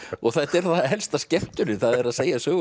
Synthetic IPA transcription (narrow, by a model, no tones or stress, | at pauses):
ɔɣθat̪ɛɾθaɦɛlst̪ascɛft̪ʏnɪθaðɛɾaðseːjasœːɣ